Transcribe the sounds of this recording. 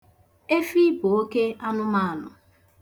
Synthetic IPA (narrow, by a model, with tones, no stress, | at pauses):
e˦fi˦bʊ˨o˦ke˦a˦nʊ˦ma˦a˨nʊ̰˨